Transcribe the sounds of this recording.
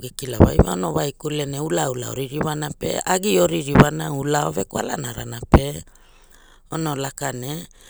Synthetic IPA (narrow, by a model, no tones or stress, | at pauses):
ɡekilawa̰jva̰onowajkuleneulaula̰o̰ɾiɾiwanape̞̰aɡioɾiɾiwanaulaovekwala̰naɾa̰nape̞ | onolakane